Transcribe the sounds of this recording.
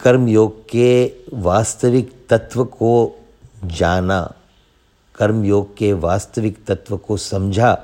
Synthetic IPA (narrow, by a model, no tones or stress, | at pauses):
kɐɾmjoːɡ̚keʋaːst̪əʋɪkt̪ɐt̪ʋəko | d͡ʒaːna̰ː | kɐɾmjoːɡ̚keʋaːst̪əʋɪkt̪ɐt̪ʋəkosɐ̃md͡ʒʱaː